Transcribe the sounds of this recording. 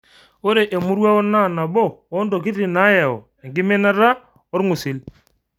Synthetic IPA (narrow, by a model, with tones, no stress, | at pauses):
o˦ɾe˨ʔe˨mʊ˦ɾwa˦o˦na˦˨na˨bɔː˦˨˦ndo˨k̬i˦tːi˨na˨˦ja˨ɔ̰˨ | e˨ŋɡɪ˦me˦na˦ɾa˦ | o˦ɾŋʊ˨sɪ˨l